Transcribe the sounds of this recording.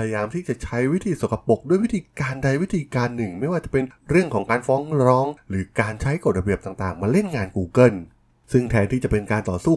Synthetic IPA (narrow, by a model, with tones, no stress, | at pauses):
pʰa˧ja˧jaː˧mt̪ʰiː˥˩t͡ɕa˨˩t͡ɕʰa˦˥jwi˦˥t̪ʰiː˧so˨˩˦kʰa˧po˨˩k̚du˥˩əjwi˦˥t̪ʰiː˧kaː˧nda˧jwi˦˥t̪ʰiː˧kaː˧nːɯ˨˩ŋma˥˩jwaː˥˩t͡ɕa˨˩pe˧nɾɯ˥˩əŋkʰɔː˩˦ŋkaː˧nfɔː˦˥ŋɾɾɔː˦˥ŋɾɯː˩˦kaː˧nt͡ɕʰa˦˥jko˨˩t̪̚ɾa˧bi˨˩əp̚t̪aː˨˩ŋt̪aː˨˩ŋmaː˧le˥˩nŋaː˧nkuː˧˩kɤ˥˩n | sɯ˥˩ŋt̪ʰɛː˧nt̪ʰiː˥˩t͡ɕa˨˩pe˧nkaː˧nt̪ɔː˨˩suː˥˩